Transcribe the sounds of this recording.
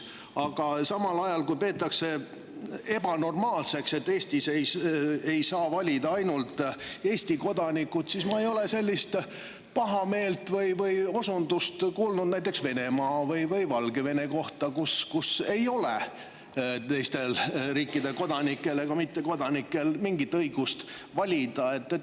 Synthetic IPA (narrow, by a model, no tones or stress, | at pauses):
ɑɡ̥ɑsɑmɑlɑjɑlkujpe̞ːt̪ːˑɑkse̞ | e̞b̥ɑno̞rmɑːlse̞kse̞t̪ːe̞ːsʲt̪isejejsɑːvɑlʲid̪̥ɑɑjnult̪ːˑe̞ːst̪iko̞d̪ɑnikːˑut̪sismɑe̞jo̞le̞se̞lʲːist̪ | pɑɦɑme̞ːlt̪vɤjvɤjo̞sund̪ust̪kuːlnud̪næjt̪ːˑeksve̞ne̞mɑːvɤjvɤjvɑlɡ̥e̞ve̞ne̞ko̞ht̪ɑkuskuse̞jo̞le | t̪ejst̪e̞lriːkːˑid̪eko̞d̪ɑnikːˑe̞le̞kɑmit̪ːe̞ko̞d̪ɑnikːˑe̞lmiŋɡit̪ːɤjɡ̥ust̪vɑlʲid̪̥ɑe̞t̪ːet